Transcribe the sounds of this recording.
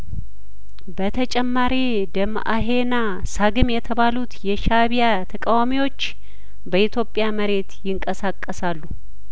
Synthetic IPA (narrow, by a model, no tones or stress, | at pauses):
bət̪ʰət͡ʃʼɛmːaɾi | d̪əm | a̰ɦe̞na | saɡɨmjɛt̪ʰəβalut̪jɛʃaβija | t̪ʰəkʼawamiwo̞t͡ʃː | bəʔit̪ʰjo̞pʼjaməɾe̞t̪jɪŋkʼəsakʼːəsalːu